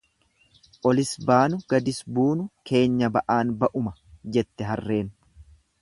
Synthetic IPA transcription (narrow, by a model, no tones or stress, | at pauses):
ʔɔlɪsbaːnʊɡ̥ɐd̪ɪsbuːnʊkʰe̞ːɲːɐbɐʔaːnbɐʔʊmɐd͡ʒɛt̪ːɛɦɐrːe̞ːn